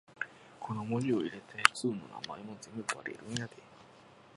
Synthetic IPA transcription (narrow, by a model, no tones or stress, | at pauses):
kʰo̞no̞moɾio̞iɾe̞t̪ʰe̞t͡sɨːno̞̰na̰ma̰emo̞d͡zẽmbɯba̰ɾḭɾɯ̟̃jad̪e